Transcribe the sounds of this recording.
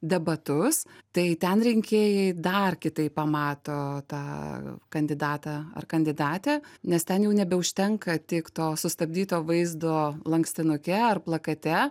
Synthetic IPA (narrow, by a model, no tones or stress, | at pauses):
d̪ʲɛbɐt̪ʊst̪ɐɪt̪ʲɛnɾʲɪŋʲkʲeːjɛɪd̪ɐrkʲɪt̪ɐɪpppɐmɑːt̪oːt̪ɑːkɐnʲd̪ʲɪd̪ɑːt̪ɑɐ̰rkɐnʲd̪ʲɪd̪ɑːt̪ʲeːnʲɛst̪ʲɛnjɛʊnʲɛbʲɛʊʃʲt̪ʲɛŋkɐt̪ʲɪkt̪oːsʊst̪ɐbʲd̪ʲiːt̪oːʋɐɪzd̪oːlˠɐŋksʲt̪ʲɪnʊkʲɛɐrplˠɐkɐt̪ʲɛ